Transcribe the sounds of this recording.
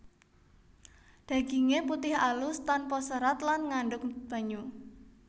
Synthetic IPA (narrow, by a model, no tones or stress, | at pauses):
d̪̥ä̤ɡ̥iŋeput̪ɪhalʊst̪anpɔsəɾat̪lanŋaɳɖʊk̚b̥a̤ɲu